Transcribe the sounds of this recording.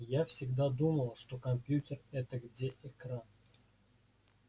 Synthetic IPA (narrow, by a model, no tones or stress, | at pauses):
jafsʲɪɡd̪ad̪uməlˠəʂt̪okɐmʲpʲjutʲerɛt̪əɡdʲeʔekran